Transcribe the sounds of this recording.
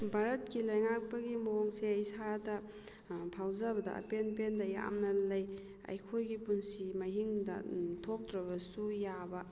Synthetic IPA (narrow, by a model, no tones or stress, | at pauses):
bʱaɾɐt̚kilɐjŋak̚pɐɡimoŋseɐjsadɐ | pʰawzabɐdɐ̰ʔɐ̰penpendɐja̰mnɐlɐj | ɐ̰jkʰojɡipunsimɐɦiŋdɐ̰tʰok̚dɾɐβɐsujabɐ